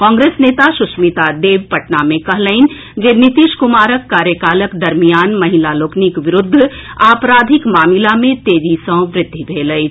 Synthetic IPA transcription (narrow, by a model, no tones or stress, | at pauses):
kɔ̃ːŋɡɾeːsneːt̪asʊsmit̪ad̪eːʋpəʈnamẽkɐɦləɪn | d͡ʒeːnit̪iːʃkʊmaːɾəkːaːɾjəkaːləkd̪ɐɾmijaːnmɐɦilaloːknikʋɪɾʊd̪ʱːaːpɾaːd̪ʱɪkmaːmilamẽt̪eːd͡ʒisə̃ʋɾɪt̪ːibʱeːləi